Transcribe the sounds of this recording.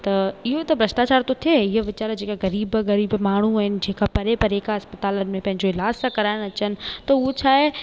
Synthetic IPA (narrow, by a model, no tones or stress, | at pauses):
t̪ɐɪɦoet̪ɐbɾɐʃʈaːt͡ɕaːɾt̪ot̪ʰieɪɦəʋɪt͡ɕaːɾd͡ʑeːkaɣɐɾiːbɣɐɾiːbmaːɳ̤uaːɦɪnɪ̆d͡ʑẽːkapɐɾepɐɾeːkaɐspɐt̪aːlənɪ̆mẽpɐ̃ɦɪ̃ɲd͡ʑoɪlaːd͡ʑsãkɐɾaːɪɽ̃ɐt͡ɕənɪ̆t̪ɐuɦot͡ɕʰaːɦe